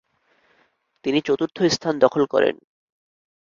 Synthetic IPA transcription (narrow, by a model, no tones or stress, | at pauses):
t̪init͡ɕot̪uɾt̪ʰːoist̪ʰand̪ɔkʰolkɔ̰ɾḛn